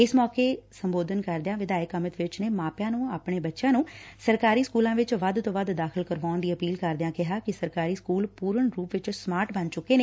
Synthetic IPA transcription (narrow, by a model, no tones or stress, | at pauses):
ɪsmɔːkeːsəmboːd̪ənkəɾd̪eãːʋɪd̪aːɪkəmɪt̪ʋɪt͡ʃneːmaːpjãːnũːaːpɳeːbətːʃjãːnũːsəɾkaːɾiːskuːlãːʋɪt͡ʃʋəd̪t̪õːʋəd̪d̪aːkʰəlkəɾʋaːnd̪iːəpiːlkəɾd̪ɪjãːkɪɦaːkɪsəɾkaːɾiːskuːlpuːɾəɳɾuːpʋɪt͡ʃsmaːɾʈbənd͡ʒt͡ʃʊkːeːneː